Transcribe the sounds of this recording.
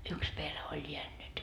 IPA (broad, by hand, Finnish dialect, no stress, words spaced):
yks perhe olʲ jeænːyt